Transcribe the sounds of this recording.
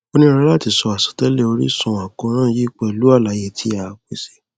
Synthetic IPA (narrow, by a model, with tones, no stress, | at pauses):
o˧nĩ˦ɾa˧˦la˦˨ti˧sɔ˧a˨sɔ̥˨tɛ˦le˦˨o˧ɾḭ˦sũ˧˨a˨kɔ̃˧˦ɾ̃ãː˦˨˦ji˦k͡pɛ˧˨lu˨˦a˦˨la˨˦je˧˨tʰi˧a˨k͡pe˨se˧